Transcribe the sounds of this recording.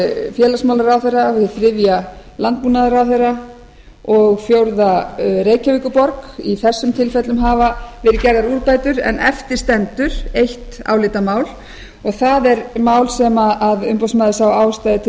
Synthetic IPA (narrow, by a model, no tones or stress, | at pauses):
fjɛːlasmaːwlaɾawθejrːaɪθɾɪvjalant̪̚puːnaðaɾawθejrːa | ɔɣfjowɾðaɾeːjcaviːkʏpɔɾkiθɛsːʏmt̪ʰɪlfɛt̪lʏmɦaːvavɛːɾɪcɛɾðaɾuɾpaːjt̪ʏɾɛ̰nʔɛ̰ft̪ɪɾ̥st̪ɛnt̪ʏɾ̥ejht̪a̰wlɪːt̪amaːwl | ɔɣθaðɛɾmaːwlsɛmaaðʏmpowsmaːðɪsawaːwst̪ajðɪt̪ʰɪ